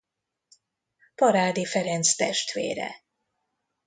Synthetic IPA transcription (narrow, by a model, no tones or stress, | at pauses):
pɒɾaːd̪ifɛɾɛnt̪st̪ɛʃt̪ʋḛːɾɛ̰